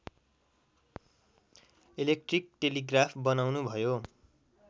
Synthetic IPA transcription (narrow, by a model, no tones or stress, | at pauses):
ilek̚ʈrik̚ʈeliɡrapʰbʌnawnubʱʌjo